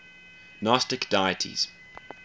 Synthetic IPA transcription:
nɑstɪkd̥aɪətʰḭz̥

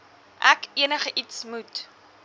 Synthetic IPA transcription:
ʔækiənəχəʔitsmut

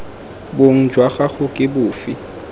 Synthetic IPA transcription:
boŋ̩d͡ʒwaɣaχʊkʼɪbʊːfi

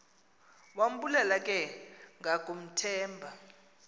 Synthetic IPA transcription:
wam̩bulɛlakʼɛŋʱakʼum̩tʰɛːmbʱa

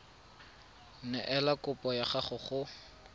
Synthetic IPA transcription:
nɛʔɛlakʊpʼɔjaχaχʊχʊ

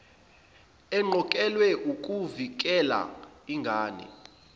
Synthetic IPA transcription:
ɛŋ͡ǃʱɔkʼɛlwɛʔukʼuvik̬ʼɛla̰iŋɡʱaːnɛ̰

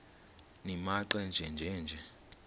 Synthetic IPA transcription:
nimaǃwɛnd͡ʒʱɛnd͡ʒʱɛnd͡ʒʱɛ

